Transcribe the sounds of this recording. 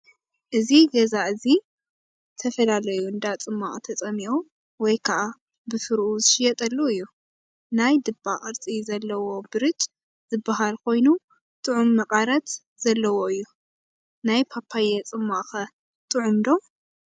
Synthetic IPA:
ʔɨziɡɐzaʔɨzi | t̪ʰɐfɐlalɐjuɨnd̪at͡sʼɨmːaχʼt̪ʰɐt͡sʼɐmiʔo | wɔjkʰaʔa | bɨfɨɾʔuzɨʃɪjɛt̪ʼɐlːuɨjːu | najd̪ɨbːaʔʼɨɾt͡sʼizɐlːɐwo̞bɨɾɨt͡ʃʼ | z̥ɨbːaɦalkʰo̞jnu | t̪ʼɨʕumːɐqʼaɾɐt̪ | z̥ɐlːɐwo̞ɨjːu | najpʰapʰajɛt͡sʼɨmːaʔʼxɐ | t̪ʼɨʕʊmd̪o

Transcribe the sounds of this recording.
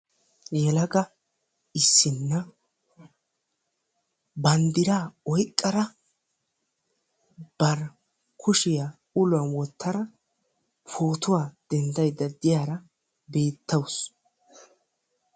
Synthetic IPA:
jɛlɐɡɐ | ɪsːɪnːɐ | bɐnd̪ɪɾaːɔjkʼːɐɾɐ | b̥ɐɾ | kʰʊʃɪja | ʊlʊɐnwɔt̪ːɐɾɐ | foːt̪ʊwaːd̪̥ɛnd̪ɐjd̪ːɐd̪ɪjaːɾɐ | be̞ːt̪ːɐws

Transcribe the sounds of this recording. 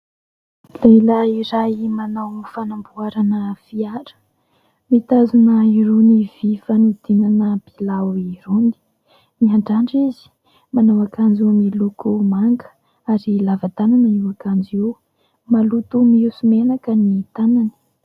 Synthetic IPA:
lajlaiɾaimanawmifanambuaɾanəv̥iaɾə̥ | mit̪azunəiɾunivifanud̪̥inanəb̥ilawiɾuni̥ | miaɳɖ͡ʐaɳɖ͡ʐizi̥ | manawakand͡ʒimilukumaŋɡə̥ | aɾilavat̪ananaiwakand͡ʒiw | malut̪umiusumenakənit̪anani̥

